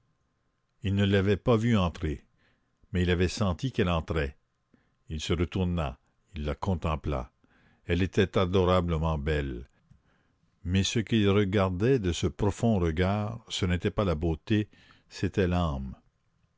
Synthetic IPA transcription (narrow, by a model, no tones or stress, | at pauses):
ilnəlavɛpavyɑ̃t̪ʁe | mɛilavɛsɑ̃t̪ikɛlɑ̃t̪ʁɛ | ilsəʁət̪uʁna̰ | ilːakɔ̃t̪ɑ̃pla̰ | ɛlet̪ɛt̪ad̪ɔʁabləmɑ̃bɛl | mɛsəkilʁəɡaʁd̪ɛd̪əsəpʁɔfɔ̃ʁəɡaːʁsənet̪ɛpalabot̪e | set̪ɛlam